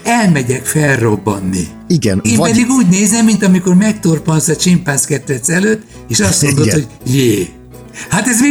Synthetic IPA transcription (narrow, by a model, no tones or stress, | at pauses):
ɛlmɛɟɛkfɛlro̞bːɒnːḭ | iɡɛneːmpɛd̪iɡuːɟneːzɛmːint̪ɒmiko̞rmɛkt̪orponsɒt͡ʃimpaːnskɛt̪ːɛt̪sɛløːt̪ː | eːʃɒst̪mo̞nd̪oho̞ɟjeː | hat̪ɛze